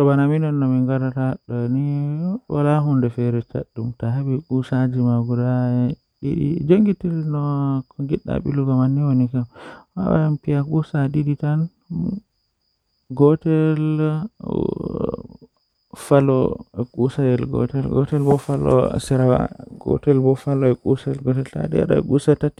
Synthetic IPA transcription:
ɔbanaminɔnːɔmiŋɡaɾataɗɔniwa̰laɦundɛfɛɾɛt͡ʃa̰ɗːumtaɦabikusad͡ʒimaɡuda | ḭdḭd͡ʒoŋɡitilnɔkɔɡiɗːa̰ɓḭluɡɔmanːiwonikamwa̰wa̰ampijakusadiɗitan | ɡɔtɛl | falɔ̰ɛkʼusajɛlɡɔ̰tɛlɡɔtɛlbɔfalɔ̰sɛɾaa̰ɡɔ̰tɛlbɔfalɔɛkusaɛlɡɔtɛlta̰dḭa̰ɗa̰ɛ̰ɡusatati̥

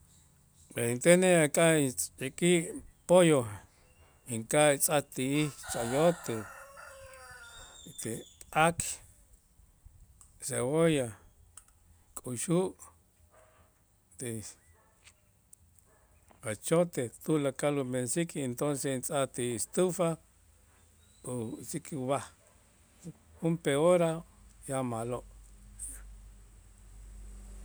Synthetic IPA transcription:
peint̪eneakʼaiikiʔpojo | iŋkait͡sʼat̪iit͡ʃʼajot̪e | t̪eak | sewoja | kʼuʃuʔ | t̪e | at͡ʃot̪et̪ulakalumensikent̪onsent͡sʼat̪eːst̪ufa | usikʼuβah | umpeoɾajamaloʔ

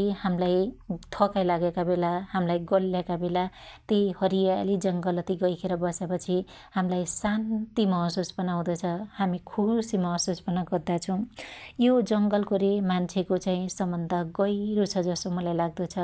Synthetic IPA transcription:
hamlajt̪ʰʌkajlaɡekabelahamlajɡʌlːakabelat̪ejhʌɾijalid͡zʌŋɡʌlʌt̪iɡʌjkʰeɾʌbʌsepʌt͡sʰi | hamlajsant̪imʌɦsosbʌnaw̃d̪ʌt͡sʰʌhamikʰusimʌɦʌsosbʌnʌɡʌrd̪at͡sʰʌw̃jod͡zʌŋɡʌlkoɾemant͡sʰekot͡saĩsʌmbʌnd̪ʱʌɡʌjɾot͡sʰʌd͡zʌsomʌlajlaɡ̚d̪ʌt͡sʰʌ

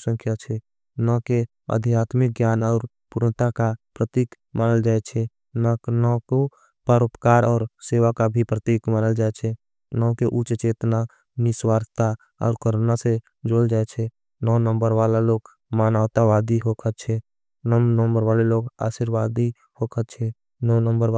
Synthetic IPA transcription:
sə̃ŋkʰjat͡ʃʰɛ | nɔke | ə̰d̪ʱijaːt̪mɪk̚ɡjaːnɔːɾ | puɾɳət̪akapɾət̪iːk | maːnəld͡ʒaːet͡ʃʰɛ | nanɔko | pəɾopkaːɾɔːɾseːʋakabʱipɾət̪iːkmanəld͡ʒaːet͡ʃʰɛ | nɔkeʔut͡ʃt͡ʃeːt̪na | nɪswaːɾʱt̪a | ɔ̰ːɾkəɾnase | d͡ʒoːld͡ʒaet͡ʃʰɛ | nɔːnə̃mbəɾʋaːlaloːɡ | maːnaːt̪aʋaːd̪iɦokʰət͡ʃʰɛ | nəmnəmbəɾʋaːleloːɡa̰ːʃiɾwaːd̪i | hokʰətt͡ʃʰɛ | nɔːnəmbəɾ

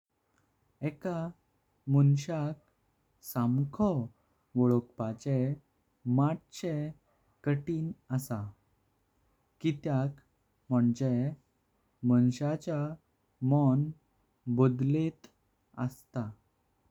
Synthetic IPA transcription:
ɛka | mənɕak̚ | samkʰɔ | ʋɔɭɔkpat͡ɕe | maʈ̚t͡ɕe | kəʈiːnəsa | kit̪jak | m̤əɳd͡ʑe | mənɕat͡ɕa | mɔn | bɔd̪let̪ | əst̪a

